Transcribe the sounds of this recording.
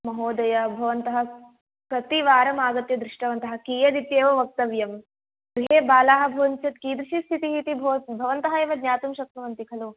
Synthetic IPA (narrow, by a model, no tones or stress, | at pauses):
mɐɦoːd̪ɐjɐbʱɐʋɐnt̪ɐɦɐ | pɾɐt̪iʋaːɾɐmaːɡɐt̪jɐd̪ɾiʂʈɐʋɐnt̪ɐɦɐkiːjɐd̪it̪jeːʋɐʋɐk̚t̪ɐʋjɐm | ɡɾiɦeːbaːlaːɦɐ̆bʱɐʋɐnt͡ʃɐt̪kiːd̪ɾiʃist̪ʰit̪iɦit̪ibʱɐbʱɐʋɐnt̪ɐɦɐeːʋɐd̪nɲaːt̪umʃɐk̚t̪ɐʋɐnt̪ikʰɐlu